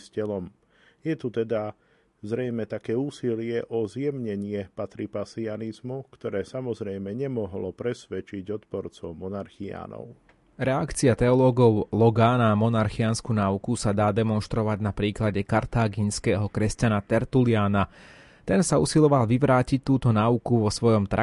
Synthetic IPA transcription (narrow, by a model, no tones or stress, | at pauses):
scɛlɔm | jɛt̪ut̪ɛd̪a | zɾɛjmɛt̪akɛːuːsilɪɛʔɔzjɛmɲɛɲɪɛpat̪ɾipasianizmukt̪ɔɾɛːsamɔzɾɛjmɛɲɛmɔɦlɔpɾɛsʋɛt͡ʃiɟɔt̪pɔɾt͡sɔʊmɔnaɾxia̰ːnɔ̰ʊ | ɾɛakt͡siat̪ɛɔlɔːɡɔʊlɔɡaːnamɔnaɾxianskunaːukusad̪aːd̪ɛmɔnʃt̪ɾɔʋaɟnapɾiːklaɟɛkaɾt̪aːɡinskɛːɦɔkɾɛscanat̪ɛɾt̪uliaːna | t̪ɛnsausilɔʋalʋiʋɾaːcic̚t̪uːt̪ɔnaːukuʋɔsʋɔjɔmt̪ɾa